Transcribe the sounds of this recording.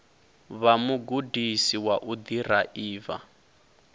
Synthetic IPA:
βamuɡudisiwaʔud̪iraʔiːva̰

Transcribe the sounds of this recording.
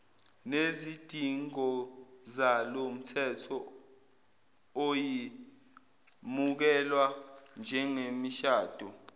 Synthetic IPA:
nezid̥ʱiŋɔzalom̩tʰɛtʰɔ | oji | muk̬ɛlwand͡ʒʱɛŋemiʃaːd̥ʱɔ

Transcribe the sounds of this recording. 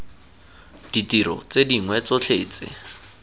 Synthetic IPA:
d̥itiɾɔ̰t͡sediŋwɛt͡sɔt͡ɬʰeːt͡sɪ̰

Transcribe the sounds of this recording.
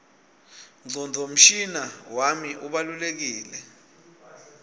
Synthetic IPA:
ŋ͡ǀʱɔnd͡zʱom̩ʃinawamiʔuɓalulek̬iːlɛ

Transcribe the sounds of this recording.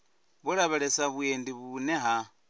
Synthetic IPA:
βuɺaβeɺesaβwendiβuneɦa

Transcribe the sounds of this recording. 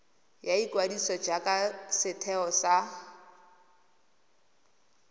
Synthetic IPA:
jaikʼwadisɔd͡ʒakʼasɪtʰɛɔsa

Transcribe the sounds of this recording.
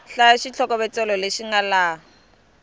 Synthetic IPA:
ɬaaʃit͡ɬʰɔkʼɔbɛt͡sʼɛlɔleʃiŋalaː

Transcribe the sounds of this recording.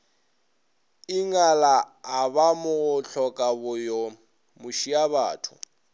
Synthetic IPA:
ɪŋalaː | βamʊɣʊɬʰɔkʼabʊjɔ | mʊʃiaβa̰ːtʰʊ̰

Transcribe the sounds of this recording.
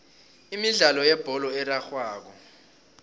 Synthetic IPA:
imiɮalɔjɛb̥ʱɔlɔɛraxwaːk̬ɔ

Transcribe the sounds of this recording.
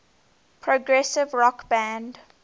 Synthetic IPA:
pʰɹoɡɹɛsɪvɹɔkbæ̃nd

